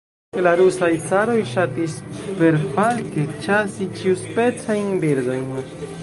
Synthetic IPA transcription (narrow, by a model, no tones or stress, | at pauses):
laɾusajt͡saɾo̞jʃatispe̞ɾfalket͡ʃasit͡ʃiuspe̞t͡sajnbiɾd̪o̞jn